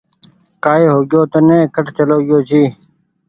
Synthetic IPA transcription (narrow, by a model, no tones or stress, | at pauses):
kaːeːɦoːɡjoːt̪ənẽːkəʈt̪ʰeloːɡjoːt͡ɕʰiː